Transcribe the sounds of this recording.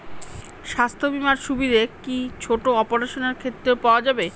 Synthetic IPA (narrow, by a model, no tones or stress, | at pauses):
ʃast̪ʰobimaɾʃubid̪ʱekit͡ɕʰoʈoɔpoɾeʃoneɾkʰet̪ːɾeopaoad͡ʑabe